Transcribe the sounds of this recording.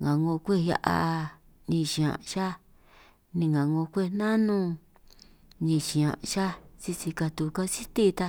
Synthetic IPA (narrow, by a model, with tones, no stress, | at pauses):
ŋã˨ŋɡõ˧kʷe˦˨ja̰˧ʔa̰˧ | ɲĩ˧˨ʃĩ˨˧ã̰˨˧ʃa˦ | nĩ˧ŋɡã˨ŋɡõ˧kʷe˦˨˧nã˦nũ˧ | ɲĩ˧ʃĩ˨ã̰˨ʔʃa˦si˧si˧ka˧t̪u˧ka˧si˦t̪i˦˧t̪a˧